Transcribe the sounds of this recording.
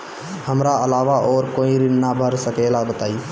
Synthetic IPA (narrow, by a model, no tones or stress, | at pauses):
həmɾaəlaʋaʔɔːɾkoiɾɪnːabʱəɾsəkelabət̪aːi